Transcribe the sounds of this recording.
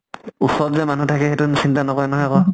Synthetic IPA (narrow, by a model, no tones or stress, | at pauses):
usɔtzɛmanutʰakɛɦetunisintanɔkɔjnɔɦɔjkɔ